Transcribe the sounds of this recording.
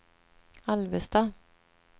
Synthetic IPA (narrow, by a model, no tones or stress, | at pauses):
alvəst̪ɑ